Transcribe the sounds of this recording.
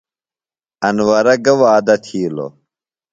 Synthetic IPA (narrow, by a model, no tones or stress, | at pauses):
ɐnwɐɾɐɡɐwaːd̪ɐt̪ʰiːlo̰